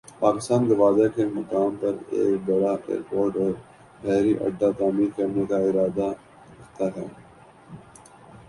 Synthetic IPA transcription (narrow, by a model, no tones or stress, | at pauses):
paːkɪst̪aːnɡɐʋaːzakemɐkaːmpɐɾḛːkbɐɽaʔḛːɾpoːɾʈɔːɾ | pɛːɾiʔɐ̰ɖ̪ːat̪aːmiɾkɐɾnekaɪɾaːd̪a | ɾɐkt̪aɦɛ̰ː